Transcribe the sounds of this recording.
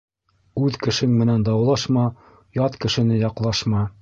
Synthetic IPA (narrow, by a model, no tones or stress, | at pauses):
ʉðkɘ̆ʃɘŋmɘ̆nænd̪ɑwlˠɑʃmɑ | jɑt̪kɘ̆ʃɘ̆nɘjɑqlˠɑʃmɑ